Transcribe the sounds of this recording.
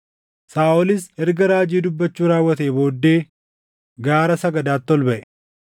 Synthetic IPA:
saːʔɔlɪsɛɾɡɐɾaːd͡ʒiːd̪ʊbːɐt͡ʃːuːɾaːwːɐt̪eːbo̞ːd̪ːe̞ː | ɡaːɾɐsɐɡɐd̪aːt̪ːɔlbɐʔɛ

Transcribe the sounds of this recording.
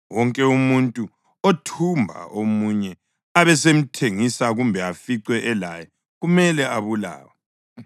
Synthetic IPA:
wɔŋkʼɛumuntʼu | otʰumbʱa̰omuɲɛ | aβɛsem̩tʰeŋisaɣumbʱɛafiǀwɛʔɛlajɛ | ɣumɛlɛaβula̰ːwa

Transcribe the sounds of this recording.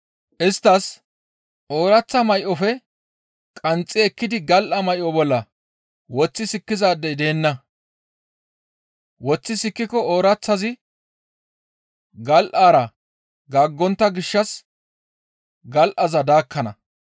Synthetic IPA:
ʔɪst̪ːɐs | ʔo̞ːɾɐt͡sːɐmɐjʔɔfɛ | kʼɐnt͡sʼːɪɛkːɪd̪ɪɡɐlʔɐmɐjʔɔbɔlːɐ | wɔt͡sːɪsɪkːɪzaːd̪ːɛjd̪e̞ːnːɐ | wɔt͡sːɪsɪkːɪkːɔoːɾɐt͡sːɐzɪ | ɡɐlʔaːɾɐ | ɡaːɡːɔnt̪ːɐɡɪʃːɐs | ɡɐlʔɐzɐd̪aːkːɐnɐ̰

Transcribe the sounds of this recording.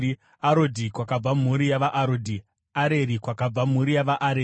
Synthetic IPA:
aɾodʱikwakab͡vam̤uɾijaʋaʔaɾoːdʱi | aɾe̞ɾikwakab͡vam̤uɾijaʋaʔaɾe

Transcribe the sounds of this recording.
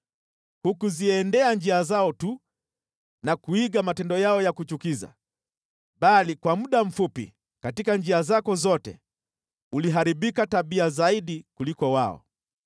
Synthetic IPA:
hukuziɛndɛand͡ʒiazaɔtu | nakuiɡamatɛndɔjaɔjakut͡ʃukiza̰ | ɓalikwamuɗam̩fupḭ | katikand͡ʒiazakɔzɔtɛ̰ | uliɦaɾiɓikataɓiazaiɗikulikɔwaɔ̰

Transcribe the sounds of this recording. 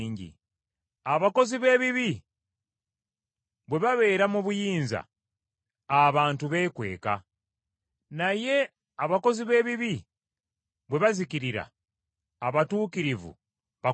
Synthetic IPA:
ɲɟḭ | aβako̞ziβe̞ːβiβi | βwe̞βaβe̞ːɾamuβujiːnza̰ː | βaːntuβe̞kwe̞̰ːka | naje̞ | aβako̞ziβe̞ːβiβi | βwe̞βaziciɾiɾa̰ː | βatuːkiɾivṵ | βa

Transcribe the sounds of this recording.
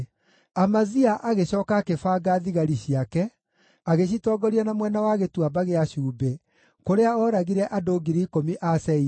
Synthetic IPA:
amaziaʔaɣeɕɔːkakefaːɡaðiɣaɾiɕiakɛ | aɣeɕ̬itɔɡɔɾianamwɛnawaɣetwabaɣeaɕuːbe | koɾeaɔɾaɣiɾɛʔadoɡiɾiːkomiʔasɛi

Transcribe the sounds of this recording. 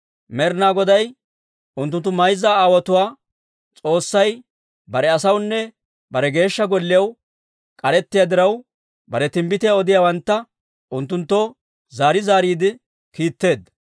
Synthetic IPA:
mɛɾnaːɡɔd̪ɐj | ʊnt̪̬ːʊnt̪ːʊmɐjzːaaːwɐt̪ʊwaː | t͡sʼo̞ːsːɐj | bɐɾɛɐsɐwnːɛ | bɐɾɛɡe̞ːʃːɐɡɔlːɪjɐw | kʼɐɾɛt̪ːɪjaːd̪ɪɾɐw | bɐɾɛt̪ɪmbɪt̪ɪjaɔd̪ɪjawɐnt̪ːɐ | ʊnt̪ːʊnt̪ːɔ | zaːɾɪzaːɾiːd̪ɪ | kiːt̪ːe̞ːd̪ːɐ

